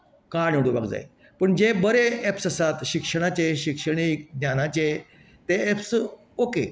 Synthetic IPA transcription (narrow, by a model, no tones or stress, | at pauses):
kaɳjuɽuba̰ɡd͡za̰j | pəɳd͡ʑebəɾeepsəsat̪ɕikʂəɽ̃at͡ɕeɕikʂəɽ̃ikd̪njanat͡ɕe | t̪eeps | oke